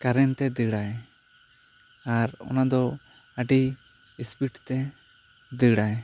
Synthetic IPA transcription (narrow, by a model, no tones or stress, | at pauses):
kaɾɛnt̪ɛd̪əɽaj | aɾɔ̰nad̪ɔaɖiispiʈt̪ɛ | d̪əɽaj